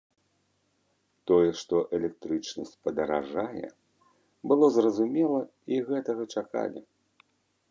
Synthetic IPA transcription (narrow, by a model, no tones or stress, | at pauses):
t̪ɔjɛʂt̪ɔʔɛlʲɛk̚t̪ɾɨt͡ʂnɐsʲt͡sʲpɐd̪ɐɾa̰ʐajɛ̰ | bɨlˠɔzrɐzumʲɛlˠɐ | iɣɛt̪ɐɣɐt͡ʂaka̰lʲi